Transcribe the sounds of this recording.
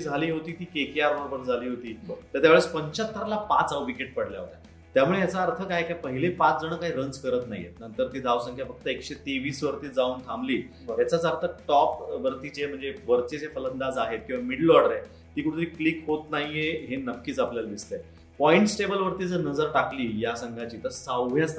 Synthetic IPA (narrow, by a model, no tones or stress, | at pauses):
id͡zʱaliːɦot̪iːt̪iːkekeaɾbəɾobəɾd͡zʱaliːɦot̪iːt̪əɾt̪jaʋeɭet͡spəɲt͡ɕat̪ːəɾalapat͡sawʋikeʈ̚pəɽlja̰ɦot̪a | t̪jamuɭejat͡saːɾt̪ʰəkajkjapəɦilepat͡sd͡zəɽ̃əkaɦiːɾənt͡skəɾət̪naɦḭjḛnənt̪əɾt̪iːd̪ʱaʋsə̃ŋkʰjafəɡ̚t̪əekɕet̪eʋiːsʋəɾt̪iːd͡zauːnt̪ʰambliː | jat͡sat͡saəɾt̪ʰəʈɔpʋəɾt̪iːt͡ɕem̤əɳd͡zeʋəɾt͡ɕet͡sefələnd̪ad͡zaɦet̪̚kĩʋamiɽlʋɔɽəɾe | t̪iːkuɽ̃ut̪ɾiːklikɦot̪naɦijeɦenəkːiːt͡sapljald̪ist̪e | pɔiɳʈsʈebəlʋəɾt̪iːd͡zənəd͡zəɾʈakliːjasəŋɡʱat͡ɕiːt̪əɾsawʋʱjas